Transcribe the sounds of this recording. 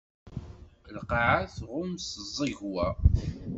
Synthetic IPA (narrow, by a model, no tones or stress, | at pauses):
əlqɑʕaθʁʊmsəzˤːiʝwæ